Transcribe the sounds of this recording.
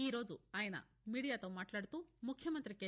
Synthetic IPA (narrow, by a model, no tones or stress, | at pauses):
iːɾoːd͡ʒuaːjɐnɐ̰ | miːɽijaːt̪omaːʈlaːɽt̪umukʰjɐmɐnt̪ɾikːe